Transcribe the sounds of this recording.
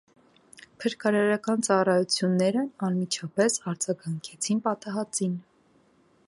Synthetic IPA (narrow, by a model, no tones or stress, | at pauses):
pʰəɾkɑɾɑɾɑkɑnt͡sɑrɑjut͡sʰjunːɛɾəɑnmit͡ʃʰɑpɛsɑɾd͡zɑɡɑŋkʰɛt͡sʰinpɑt̪ɑɦɑt͡sin